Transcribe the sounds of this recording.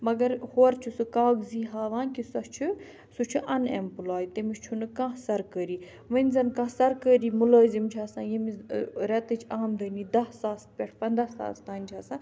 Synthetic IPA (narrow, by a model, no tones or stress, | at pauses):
mɐɡɐɾhoːɾt͡ʃʰusɨkaːɡziːɦaːʋãːnkisɐt͡ʃʰu | sut͡ʃʰuʔɐnempulaːjt̪emiʃt͡ʃʰunɨkãːsɐɾkəːɾiː | ʋɐnʲzɐnkãːsɐɾkəːɾiːmʊləːzimt͡ʃʰaːsãːjimiɾɛt̪ɨt͡ʃʰaːmd̪əːniːd̪ɐssaːst̪̚pʲɛʈʰpɐnd̪ɾasa̰ːst̪aːnʲt͡ʃʰaːsãː